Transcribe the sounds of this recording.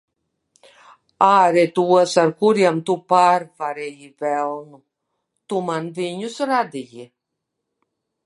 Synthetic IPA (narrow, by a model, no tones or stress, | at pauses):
aːɾɛt̪uɔsaɾkuɾiɛmt̪upaːɾvaɾɛjivælˠnu | t̪umanviɲusɾad̪iji